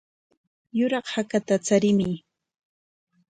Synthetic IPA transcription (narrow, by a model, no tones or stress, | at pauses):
jʊɾɑχhakat̪at͡saɾɪmɪ